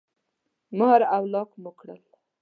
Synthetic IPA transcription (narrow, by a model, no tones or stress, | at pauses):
məhaɾawlɑqməkɽə̰l